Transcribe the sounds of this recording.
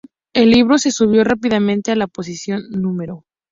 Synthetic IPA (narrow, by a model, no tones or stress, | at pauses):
e̞lːiβ̞ɾo̞se̞suβ̞jo̞rapiðamẽ̞nt̪e̞alapo̞s̬isjo̞nːũme̞ɾo̞